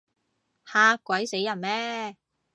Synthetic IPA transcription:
haː˧kʷːwɐ˨˥jse˨˥jɐ˨˩nmɛː˥

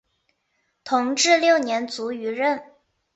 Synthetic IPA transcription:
t̪ʰʊ˧˥ŋʈ͡ʂɻ̩˥˧ljo˥˩ʊnjɛ˧˥nt͡su˧˥y˧˥ɻə˥˩n

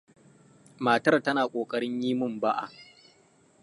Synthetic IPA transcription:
maː˨tɐ˦rtɐ˦naː˨kʷʼoː˨kʼɐ˦ɽɪ˦ɲjiː˦mʊ˦˨mba˦ʔa̰˨

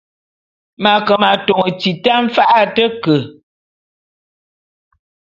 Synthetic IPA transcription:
ma˨kə˨ma˨to˨ŋə˨ti˨ta˦m̩˦fa˦ʔa˦tə˦kə˨

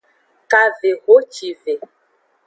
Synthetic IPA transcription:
ka˨ve˨ɣo˨˦t͡ʃi˨ve˨

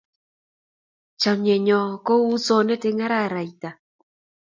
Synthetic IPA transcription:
t͡ʃa˨mjɛ˨ɲɔ˨kɔ˦u˦sɔ˦nɛ˦te˦ŋa˦ɾa˦˨ɾa˨i˨t̪a˨

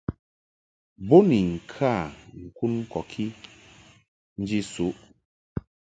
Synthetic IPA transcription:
bo˦ni˨ŋ̩˨kʰa˦˨ŋ̩˨ku˦n̩˦kɔ˨kʰi˦ | n̩˦d͡ʒi˦su˨˦ʔ

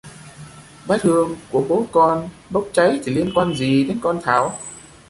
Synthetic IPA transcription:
ɓaː˦˥t̚t̪ʰɨ˧əŋku˧˩əɓo˨˦kɔ˧n | ɓə˦˥wk͡p̚t͡ɕa˨˦jt̪ʰi˨˩li˧ənkwaː˧nzi˨˩ɗe˨˦nkɔ˧nt̪ʰa̰ː˧˩w

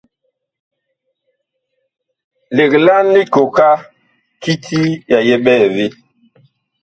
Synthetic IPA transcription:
le˨kla˦nːi˦ko˨ka˦ | ki˦tʰi˦ja˨jɛ˦ɓɛ˦˨vi˦

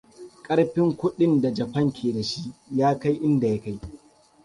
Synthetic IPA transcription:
kʼɐ˦ɽɸɪ˦ŋkʷʊ˦ɗɪ˦nda˨d͡ʒɐ˨ɸɐ˦ŋkʲʰeː˨da˨ʃi˦jaː˦ka˦jʔɪ˦nda˨ja˦ka˦j

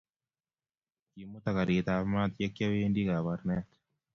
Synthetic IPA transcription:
ki˨mːo˦t̪a˨ka˨ɾit̪amat̪je˦kːja˦wendi˦ka˨baɾnɛt̪

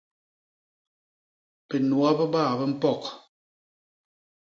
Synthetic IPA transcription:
pe˨nwa˦bɛ˦baː˦˨bɛ˦m̩˦pɔ˦˨k

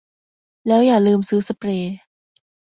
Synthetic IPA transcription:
lɛː˦˥wjaː˨˩lɯː˧msɯː˦˥sa˧pɾeː˧

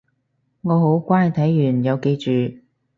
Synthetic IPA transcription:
ŋɔː˨˧ɦo˨˥wkʷaː˥jt̪ʰɐ˨˥jjyː˨˩njɐ˨˧wke˧jt͡ʃyː˨

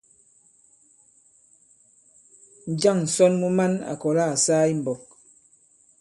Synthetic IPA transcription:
n̩˨d͡ʒa˦˨ŋn̩˨sɔ˦nmu˦ma˦na̰˨kɔ˨la˦˨a˨saː˦i˦m̩˨bɔ˨k̚

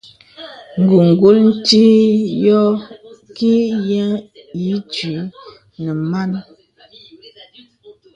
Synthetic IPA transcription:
ŋ̩˨ɡu˨ŋ˨ɡu˦ln̩˦ti˦jɔ˦ki˦jɛ˦ŋji˨˦ti˨˦ | nə˨ma˦n

